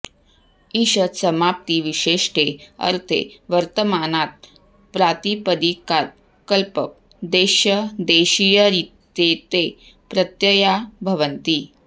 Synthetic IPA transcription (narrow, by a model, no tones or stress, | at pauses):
iɕəsəmap̚t̪iʋiɕeʂʈeə̰ɾt̪ʰḛʋəɾt̪əmanat̪̚ | pɾat̪ipəd̪ikaɾ̚ | kəlpəp̚ | d̪eɕəd̪eɕijəɾit̪ | et̪e | pɾət̪jəjabʱɐʋənt̪i